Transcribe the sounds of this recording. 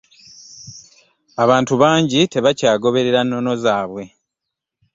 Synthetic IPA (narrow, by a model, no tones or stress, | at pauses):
aβaːntuβaːɲɟite̞βacaːɡo̞βe̞ɾe̞ɾanːo̞no̞zaːβwe̞